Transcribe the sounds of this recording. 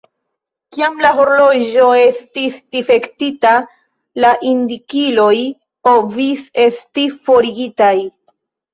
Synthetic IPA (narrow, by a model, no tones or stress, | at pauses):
kiamlaɦo̞ɾlo̞ʒo̞e̞stisd̥ife̞ktita | laʔindikilo̞j | povise̞stifo̞ɾiɡitaj